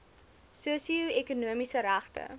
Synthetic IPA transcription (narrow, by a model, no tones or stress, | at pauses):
suəsiuekunuəmisəɾæχtə̰